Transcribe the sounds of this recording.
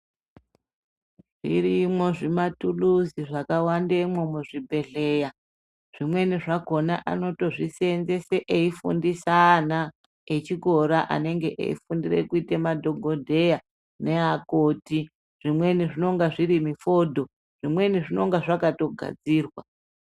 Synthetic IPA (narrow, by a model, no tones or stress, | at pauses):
ʐ̥ḭɾimwoʐimatuluziʐakawandemwomuʐibʱe̞ɮe̞ja | ʐ̥imwe̞niʐako̞naʔa̰no̞to̞ʐisenze̞se̞ʔeifṵndisaːna | et͡ʃiɡʱo̞ɾaʔa̰ne̞ŋɡe̞ʔḛḭfundire̞̰kuitemadʱo̞ɡʱo̞dʱe̞ja | ne̞ɦakoːti | ʐ̥imwe̞niʐino̞ŋɡaʐiɾimifo̞ːdʱo̞ | ʐ̥imwe̞niʐino̞ŋɡaʐakato̞ɡʱa̰d͡ziːrwa